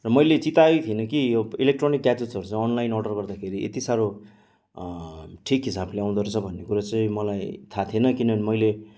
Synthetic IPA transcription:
rʌmʌjlet͡sit̪aet̪ʰienʌkijobilek̚ʈronikːad͡zusʌɾut͡sãĩʌnlajnɔɖʌrɡʌrd̪akʰeɾiʔḛt̪isaɾo | ʈʰikɦisableaw̃d̪ʌɾut͡sʰʌbʱʌnːekuɾat͡sʌĩmʌlajt̪ʰat̪ʰienʌkinʌnmʌjle

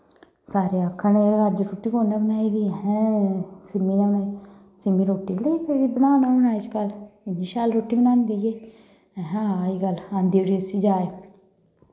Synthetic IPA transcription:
saːɾeːəkʰːanekəɾd͡ʒɾoːʈːiːkoːɳaːbənaːiːd̪iːɦɛ̃ːsɪmiːnabənaːi | sɪmiːɾoːʈːiːbleipʰedibənaːnaːbənaːit͡ʃkəlɪnːiːʃaːlɾoːʈːiːbənãːnd̪iːeː | ɦaːiːɡəlãːnd̪iːəɽiːəsiːd͡ʒaːeː

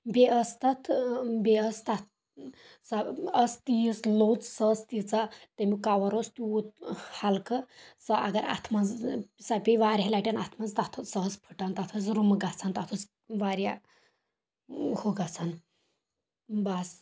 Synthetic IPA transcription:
beʔəst̪at̪ʰbeəst̪at̪ | saəst̪ijslot͡ssət͡st̪it͡sat̪emikaʋɐɾost̪iut̪̚halkət͡saʔa̰ɡɐɾa̰t̪ʰmad͡zsapʲiʋaɾʲɦalaʈʲanat̪ʰmat͡st̪at̪ʰosəɦəspʰə̥ʈant̪at̪ʰos̬ɾuməɡat͡sʰant̪at̪ʰut͡s | ʋaɾja | hoɡat͡sʰan | bas

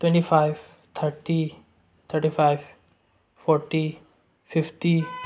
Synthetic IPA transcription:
ʈwẽɳʈifajʋ | t̪ʰəɾʈi | t̪ʰəɾʈifaɪʋ | fɔɾʈi | fɪfʈi

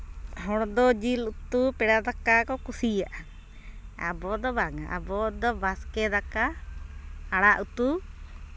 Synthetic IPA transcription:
hɔɽd̪ɔd͡ʒilut̪upɛɽad̪akakɔkusijaʔa | a̰bɔd̪ɔbaŋa̰ʔa̰bɔd̪ɔbaskɛd̪aka | aɽaʔut̪u

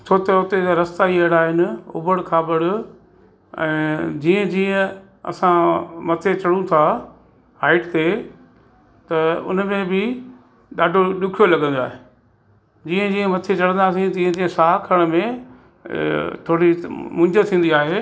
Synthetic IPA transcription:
t͡ɕʰoːt̪ɐʊt̪eɾɐst̪aiɐɽaːɦɪnɪ̆ʊ̰bəɽkʰaːbɐɽʊ̆ | ɛ̰̃ːd͡ʑiːə̃d͡ʑiːə̃ | ɐ̰sãmɐt̪ʰet͡ɕɐɽũt̪ʰaː | ɦaːɪʈt̪e | t̪ɐʊ̰nmẽbɪ | ɗaːɖʱoɗʊkʰijolɐɠə̃nd̪aːɦe | d͡ʑiːə̃d͡ʑiːə̃mɐt̪ʰet͡ɕɐɽə̃nd̪aːs̬ĩt̪ɐiːə̃d͡ʑiːə̃saːkʰəɽ̃mẽ | t̪ʰoːɽimʊ̃ɲd͡ʑət̪ʰĩːn̆d̪iaːɦeː

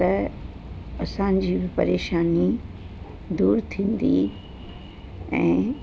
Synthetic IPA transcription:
ɐ | ɐsãɲd͡ʑiːbɪpɐ̰ɾeːʃaːni | d̪uːɾt̪ʰĩːn̆d̪ḭ | ɛ̰̃ː

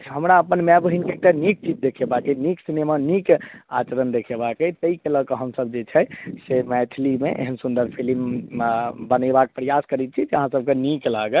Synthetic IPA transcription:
ɦəmɾaəpənmɛbɦinkeekʈanik̚t͡ʃid͡ʒd̪ekʰebakɛniksinemanika̰t͡ʃəɾənd̪ekʰebakɛt̪əikeləkeɦəmsəb̚d͡ʒet͡ʃʰɛsemɛt̪ʰilimeʔḛɦənsund̪əɾpʰilim | bənəbak̚pɾəjaskəɾit̪̚t͡ʃʰid͡ʒeəɦãsəb̚keniklaɡel

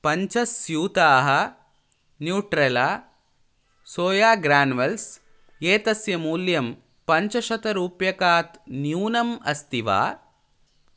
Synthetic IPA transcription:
pɐɲt͡ʃɐsjuːt̪aːɦɐ̆ | njuːʈɾelaː | soːjaːɡɾaːnʋɐls | eːt̪ɐsjɐmuːljɐm | pɐɲt͡ʃɐʃɐt̪ɐɾuːpjɐkaːt̪njuːnɐmɐ̰st̪iʋa̰ː

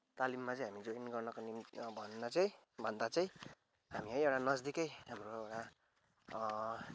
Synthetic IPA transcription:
t̪alimːat͡sʌ̃j̃ɦamid͡zoinɡʌrnʌkonimbʱʌnːʌt͡sʌĩ | bʱʌnd̪at͡sʌĩ | ɦamiʌ̃j̃ewʈanʌd͡zd̪ikʌjɦamroewʈa

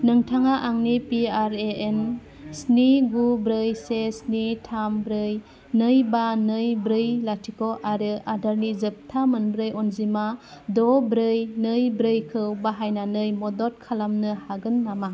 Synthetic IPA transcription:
nɯŋtʰaŋaʔaŋnipiaɾeen | sniɡubɾɯjsesnitʰambɾɯj | nɯjbanɯjbɾɯjlatʰikoʔaɾɯadaɾnizɯp̚tʰamɯnbɾɯjɔnzimadɔbɾɯjnɯjbɾɯjkʰɯwbaɦajnanɯjmɔdɔt̚kʰalamnɯhaɡɯnːama

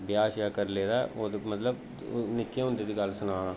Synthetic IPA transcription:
bɪjaːʃjaːkəɾleːd̪aːʔoːd̪mət̪ləb | nɪkːjẽːɦʊ̃nd̪eːd̪iːɡəlsənaːɽ̃ãː

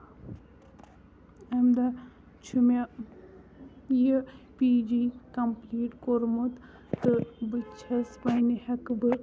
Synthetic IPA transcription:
ɐmd̪ɐ | t͡ʃʰuma | jipiːd͡ʒikɐmpliːʈkoɾmut̪ | t̪ɨbɨt͡ʃʰɐspɐjnihɐkbɨ

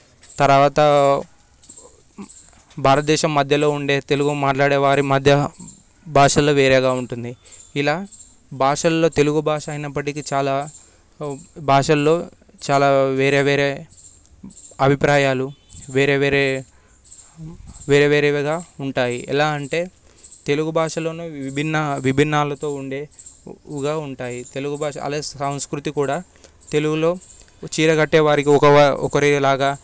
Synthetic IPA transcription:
t̪ɐɾʋaːt̪ɐ | bʱaːɾɐt̪ɐd̪ɛːʃɐmːɐd̪ʱjɐlo̞ːuɳɖe̞ːt̪e̞luɡumaːʈlaːɽeːʋaːɾimɐd̪ʱjɐ | bʱaːʂɐlːo̞ːʋeːɾɛːɡaːuɳʈund̪iilaː | bʱaːʂɐlːo̞ːt̪e̞luɡubʱaːʂɐɐjnɐpːɐʈikit͡ʃaːlaː | bʱaːʂɐlːo̞ː | t͡ʃaːlaːʋeːɾe̞ːʋeːɾeː | ɐbʱipɾaːjaːluʋeːɾeːʋeːɾeː | ʋeːɾeːʋeːɾeːʋɡaːuɳʈaːjiɛ̰laːɐɳʈe̞ː | t̪e̞luɡubʱaːʂɐloːnuʋibʱinːɐʋibʱinːaːlɐt̪o̞ːuɳɖe̞ː | ɡaːuɳʈaːjit̪e̞luɡubʱaːʂɐ̰ɐ̰laːsɐw̃skɾut̪ikuːɽaː | t̪e̞luɡulo̞ː | t͡ʃiːɾɐɡɐʈːeːʋaːɾikiɔkɐɔkɐɾilaːɡaː

